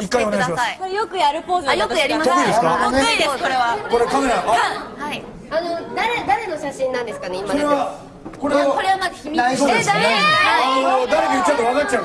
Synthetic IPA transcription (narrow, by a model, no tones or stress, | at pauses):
ikːaio̞nɡaɕimaikoɾejo̞kɯ̟jaɾɯ̟po̞ːzɨjok̪ɯjaɾimaoid̪eskaneid̪eskoɾe̞βako̞ɾekameɾahai | ano̞d̪aɾe̞d̪aɾe̞no̞ɕaɕĩnːãnd̪e̞sɨ̥kaneimaoeβa | ko̞ɾekoɾeβamazɨçʲimʲinaisoːd̪esaeanod̪aɾe̞kait͡ɕːak̪oβakat͡ɕːa